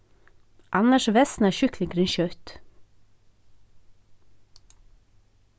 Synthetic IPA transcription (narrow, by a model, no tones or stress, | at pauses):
ʔɑnəʃʋɛsn̩æːʃʏklɪŋɡʰɾɪnçœːt̪